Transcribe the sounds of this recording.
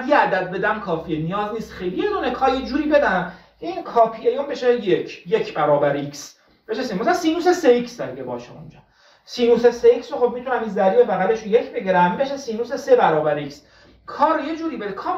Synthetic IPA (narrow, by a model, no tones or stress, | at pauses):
d̪jeæd̪æd̪̚be̞d̪æmkʰɒːfienijɒːzniːst̪xejlijed̪uːnekʰɒːɾjed͡ʒuːɾiːbe̞d̪æ | kʰeiːnkʰɒːpʰiejombe̞ʃejekʰjekʰbæɾɒːbæɾiks | be̞ʃesenmumsæsiːnuːseseiksd̪æɾikʰebɒ̰ːʃeo̰nd͡ʒɒ̰ː | siːnuːseseiksoxob̚mit̪ʰunæminzæɾiːevæɣæleʃunjecʰbeɟiɾæmbeʃesiːnuːsesebæɾɒːbæɾiks | kʰɒːɾjed͡ʒuːɾiːbed̪ekʰɒː